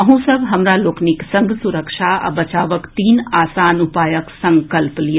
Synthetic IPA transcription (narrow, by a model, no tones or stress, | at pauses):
ɐɦũsɐbɦɐmɾaloːknɪksɐ̃ŋɡʱsʊɾəkʃaɐ̰bɐt͡ʃaːʋəkt̪iːnaːsaːnupaːjəksɐ̃ŋkəlpli